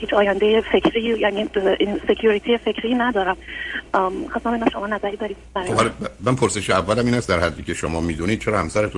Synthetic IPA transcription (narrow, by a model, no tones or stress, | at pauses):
hiːt͡ʃʰɒːjænd̪ejefe̞cʰɾijæniːse̞cʰjuɾit̪ʰijefe̞cʰɾiːnæd̪ɒːɾæm | xɑst̪æmbenæmʃo̞mɒːnæzæɾiːd̪ɒːɾiːd̪bæɾjobhlmænpʰoɾse̞ʃeævːælæmiːnæst̪d̪æɾhæd̪ːiːcʲʰeʃomɒːmiːd̪unid̥̪̚t͡ʃʰeɾɒːhæmsæɾet̪ʰu